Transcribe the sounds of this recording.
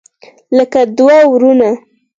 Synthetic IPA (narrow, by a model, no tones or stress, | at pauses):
ləkad̪wawɾuna